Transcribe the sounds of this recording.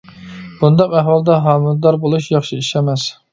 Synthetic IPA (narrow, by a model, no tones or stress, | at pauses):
b̥und̪ɑqæɦwɑlˠd̪ɛɦɑːmɨlˠd̪ɑɾbolˠuʃjɑχʃiiʃɛmɛs